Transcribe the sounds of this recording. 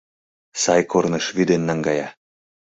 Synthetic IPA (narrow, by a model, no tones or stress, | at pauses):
sɑjkʰorneʃβyd̪enːɑŋɡɑjɑ